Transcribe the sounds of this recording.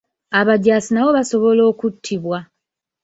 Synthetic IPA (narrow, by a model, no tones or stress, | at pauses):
aβaɟaːsinaβoβaso̞βo̞lo̞ːkutʰːiβwa